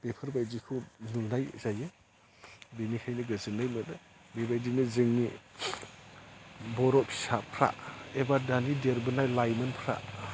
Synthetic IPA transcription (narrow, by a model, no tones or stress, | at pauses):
b̥epʰɯɾbajdikʰɯwnulnajzaje | benikʰajnɯɡɯzɯŋnajmɯnɯ | bebajdinɯzɯŋni | bɔɾɔpsapʰɾa̰ebadanideɾbɯnajlajmɯnpʰɾa̰